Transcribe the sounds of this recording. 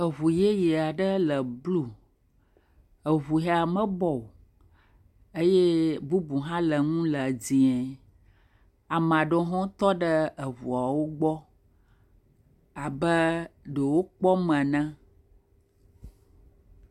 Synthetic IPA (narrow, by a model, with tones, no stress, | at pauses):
ə˨βu˨je˦je˨a˨ɖə˦lə˨blu˦ | ə˨βu˨ɦɛ˨a˨mə̃˦bɔ˨ | e˦je˦bu˦bu˨ɦã˦lə˨ŋũ˦lə˨d͡zĩ˨ɛ̃˨ | a˨m̃˨a˨ɖɔ̃˦ɦɔ̃˦t̪ɔ˦ɖə˦ə˨βṵ˨a˨wo˦ɡ͡bɔ˦ | a˨bə˦ɖə˨wo˦k͡pɔ˦mə̃˨nɛ̃˦